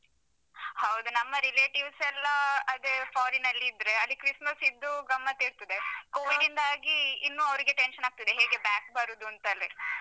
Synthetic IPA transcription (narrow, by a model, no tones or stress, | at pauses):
hɐwd̪unɐmːɐɾileːʈiʋsɛlːɐɐd̪efaːɾinɐlːiːd̪ɾeɐlːikɾismɐsid̪ːuɡɐmːɐt̪eːɾt̪id̪ekoːʋiɖind̪aːɡiːnːuːɐʋɾiɡeʈenʃɐnaːɡ̚t̪id̪eɦeːɡe̞baːk̚bɐɾud̪uɐnt̪ɐːlːe